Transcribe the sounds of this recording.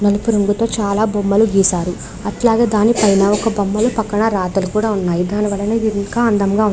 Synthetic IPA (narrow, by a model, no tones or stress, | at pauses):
nɐlupuɾuŋɡut̪o̞ːt͡ʃaːlaːbomːɐluɡiːsaːɾu | ɐʈlaːɡe̞ːd̪aːnipɐjnɐɔkɐbɐmːɐlupɐkːɐɳɐɾaːt̪ɐlukuːɽaːunːaːjid̪aːniʋɐɭːɐneːiŋkaːɐnd̪ɐmɡaːu